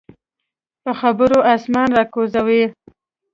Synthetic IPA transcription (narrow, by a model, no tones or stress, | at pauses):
pəxabəɾoʔɑsmɑnɾɑkozawe